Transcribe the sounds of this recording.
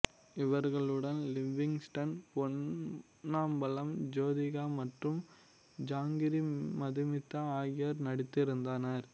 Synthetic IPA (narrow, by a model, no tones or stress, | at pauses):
ɪʋɐɾɣɐɭɯɽɐnlɪʋɪŋsʈɐnpɔnː | aːmbɐlɐmd͡ʒoːðɪɣaːmɐʈrɯm | d͡ʒaːŋɡɪɾimɐðɯmɪt̪ːɐaːjɐɾnɐɽɪt̪ːɪɾɯnd̪aːnɐɾ